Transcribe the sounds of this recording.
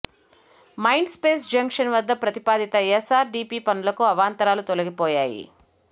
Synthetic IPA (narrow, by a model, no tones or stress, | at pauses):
mɐjɳɖspe̞ːsd͡ʒɐŋkʂɐnʋɐd̪ːɐpɾɐt̪ipaːd̪it̪ɐesaːɾɖiːpiːpɐnulɐkuɐʋaːnt̪ɐɾaːlut̪olɐɡipɔːjaːjḭ